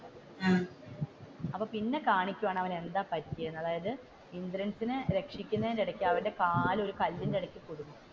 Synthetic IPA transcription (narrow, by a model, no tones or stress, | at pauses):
ɐpːoːpinːe̞kaːɳikʲːuʋaːɳɨɐʋɐne̞nd̪aːpɐtːijɐjenːɐðaːjɐðɨ | ind̪ɾɐnsinɨɾe̞kʂikʲːunːɐendeɽɐkʲːuɐʋɐnde̞kaːlo̞ɾukɐlːindeɽɐkʲːukuɽunːu